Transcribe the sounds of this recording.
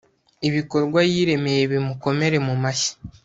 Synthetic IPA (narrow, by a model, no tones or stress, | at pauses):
iβiko̞ɾɡwajiːɾe̞me̞je̞βimuko̞me̞ɾe̞mumaçi̥